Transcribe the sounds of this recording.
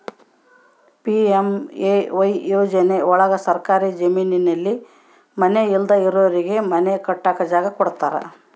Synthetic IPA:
piemeʋɐjjoːd͡ʒɐne̞ɔɭɐɡɐsɐɾkaːɾid͡ʒɐmiːninɐlːi | mɐneild̪ɐiɾoːɾiɡe̞mɐnekɐʈːaːkɐd͡ʒaːɡɐkɔɽt̪aːɾɐ̰

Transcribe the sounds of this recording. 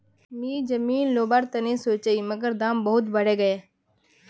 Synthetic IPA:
miːd͡ʒɐmiːnloːbaːɾt̪ɐnisoːt͡ʃəiːməɡəɾd̪aːmbɐɦʊt̪bəɽeːɡɐeː

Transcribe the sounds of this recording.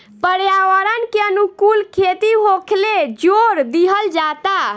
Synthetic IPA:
pəɾjawəɾənkeənukulkʰet̪iɦokʰled͡ʒoɾd̪iɦəld͡ʒat̪a

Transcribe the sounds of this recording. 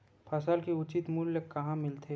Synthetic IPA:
pʰasalkeʊt͡ʃɪt̪muljekɐɦãmɪlt̪ʰe

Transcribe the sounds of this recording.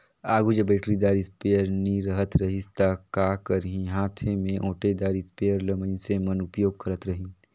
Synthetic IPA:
aːɡud͡ʒəbeːʈɾid̪aːɾɪspeːjəɾniɾəɦət̪ɾɐɦɪst̪akaːkəɾɦĩɦaːt̪ʰemẽʔõːʈed̪aːɾispeːjəɾləmə̃nsemənʊpjoːɡ̚kəɾət̪ɾɐɦĩ

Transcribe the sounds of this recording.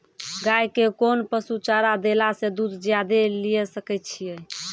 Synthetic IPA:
ɡajkekonpəsut͡ʃaɾad̪elased̪ud̪d͡ʒjad̪elijɛsəkɛjt̪̚t͡ʃʰijɛ

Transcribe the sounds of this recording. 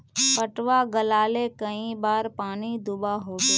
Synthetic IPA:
pəʈʋaɡəlaːlekəĩbaːɾpaːnid̪ʊbaɦoːt̪e

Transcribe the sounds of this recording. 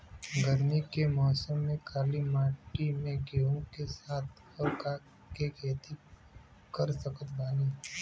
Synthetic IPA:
ɡʱəɾmikemɔːsəmːẽkʰaːlimaːʈimẽɡeːõkesaːt̪̚ʰ | əɾka | kekeːt̪i | kɐɾsəkət̪baːniː

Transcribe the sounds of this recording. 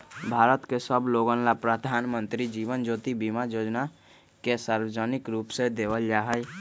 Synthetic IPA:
bʱaːɾət̪kesəbloːɡə̃nlapɾəd̪ʱaːnmə̃nt̪ɾid͡ʒiːʋənd͡ʒoːt̪ibimajoːd͡ʒna | kesaːɾwəd͡ʒənɪkɾuːpsed̪eːʋəld͡ʒaɦəj

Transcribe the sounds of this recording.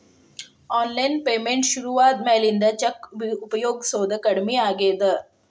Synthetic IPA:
ɔːnlajnpeːmẽɳʈɕuɾuʋaːt̪̚mɛːlind̪at͡ɕɐkbiupəjoːɡsoːd̪əkəɽmiːaɡeːd̪ə

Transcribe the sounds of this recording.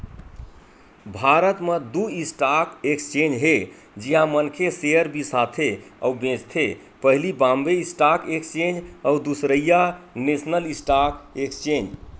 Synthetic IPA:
bʱaɾət̪med̪uisʈakekt͡ʃẽnd͡ʒɦe | d͡ʒiɦãmənkʰeseəɾbisat̪ʰea̰ubẽd͡ʒt̪ʰe | pəɦlibãmbeisʈakekt͡ʃẽnd͡ʒəud̪usɾəjanesnəlisʈakekt͡ʃẽnd͡ʒ

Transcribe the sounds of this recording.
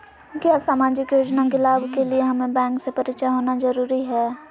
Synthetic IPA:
kjaːsaːmaːd͡ʒɪkjoːd͡ʒnakelaːbʱkelieɦɐmẽbɛ̃ːŋksepɐɾɪt͡ʃəɦoːnazɐɾuːɾiɦɛː

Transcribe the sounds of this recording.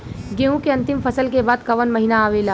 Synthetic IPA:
ɡeɦũkeɐ̃nt̪ɪmfɐsəlkebaːd̪kɐʋənmɐɦinaːʋeːlaː

